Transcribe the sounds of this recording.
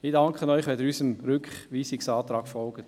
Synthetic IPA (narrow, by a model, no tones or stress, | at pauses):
mɪdɑŋkχənɔʏχʋɛdəɾysəmɾʏkχʋiːsiksɑːt̪ɾɑːɡ̥fɔlɡ̥ət